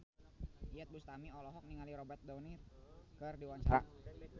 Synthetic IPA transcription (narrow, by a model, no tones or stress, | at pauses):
iɛt̪̚bust̪amiɔlɔɦɔk̚niŋaliɾɔbɛrt̪̚dɔnirkɨrdiwaɲt͡ʃaɾaʔ